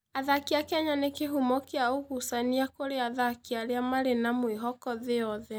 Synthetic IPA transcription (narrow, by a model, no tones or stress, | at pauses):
aðakiakaɲanekeɦumɔkeaoɣusaniakoɾeaðakiaɾeamaɾenamweɦɔkɔðeɔðɛ